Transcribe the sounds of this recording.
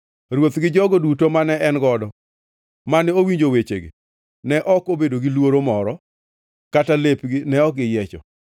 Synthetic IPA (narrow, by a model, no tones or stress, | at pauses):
ɾwot̪ɡɪd͡ʒɔɡodutomanɛɛnɡɔdɔ | manɛowiɲd͡ʒowet͡ʃeɡḭ | nɛʔɔkobedoɡɪlwoɾomɔɾɔ | katalepɡɪnɛɔkɡɪjɛt͡ʃɔ̰